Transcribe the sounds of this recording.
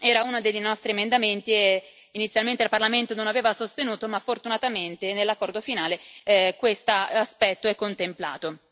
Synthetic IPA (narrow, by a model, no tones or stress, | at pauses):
ɛːɾaunad̪eʎnɔst̪ɾiemend̪ament̪ie | init̪sjalment̪elparlament̪ononaveːvasost̪enuːt̪omafːort̪unat̪ament̪enelːakːɔrd̪ofinaːlekwest̪aaspɛt̪ːoɛkːont̪empla̰ːt̪o